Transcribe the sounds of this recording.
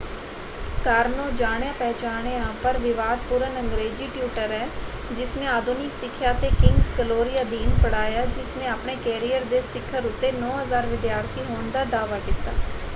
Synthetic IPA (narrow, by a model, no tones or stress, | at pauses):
kəɾnõːd͡ʒaːɽejãːpɛːt͡ʃaːɳeːãːpəɾʋɪʋaːd̪̚puːɾənəŋɡɾeːd͡ʒiːʈjuːʈəɾɛː | d͡ʒɪsneːaːd̪ʊnɪksɪkʰːjaːt̪eːkɪŋɡskəloːɾɪjaːd̪iːnpəɽaːjaːd͡ʒɪsnẽːaːpɳeːkɛːɾijəɾd̪eːsɪkʰːəɾʊt̪ːeːnɔːɦəzaːɾʋɪd̪jaːɾt̪ʰiːɦoːɳd̪aːd̪aːʋaːkɪt̪ːaː